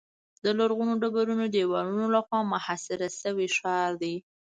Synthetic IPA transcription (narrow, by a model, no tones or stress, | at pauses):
d̪əlaɾɣunoɖabaɾunod̪əewɑlunolaxwɑmʊhasɪɾasəwiʃɑɾd̪i